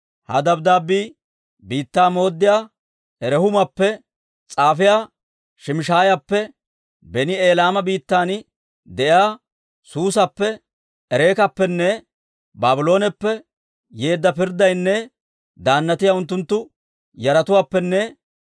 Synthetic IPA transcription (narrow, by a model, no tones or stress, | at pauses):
hɐ̰d̪ɐbd̪aːbːiː | biːt̪ːaːmo̞ːd̪ːɪjaː | ɛɾɛhʊmɐpːɛ | t͡sʼaːfɪjaː | ʃɪmɪʃaːjapːɛ | bɛnɪe̞ːlaːmɐbiːt̪ːaːn | d̪ɛʔɪaː | suːsɐpːɛː | ɾe̞ːkɐpːɛnːɛ | baːbɪlo̞ːnɛpːɛ | jeːd̪ːɐpɪɾd̪ɐjnːɛ | d̪aːnːɐt̪ɪjaʊnt̪ːʊnt̪ːʊ | jɐɾɐt̪ʊwaːpːɛnːɛ